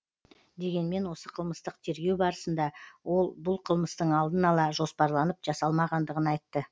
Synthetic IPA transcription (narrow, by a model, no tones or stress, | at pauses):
d̪e̞ɡʲe̞nme̞nwo̞səqʰəlˠməst̪əqt̪ʰe̞ɾɡʲe̞wbɑɾəsənd̪ɑwo̞lˠbʊlˠqʰəlˠməst̪əɴɑlˠd̪ənɑlˠɑʒo̞spɑɾlˠɑnəpʒɑsɑlˠmɑʁɑnd̪əʁənɑjt̪ːə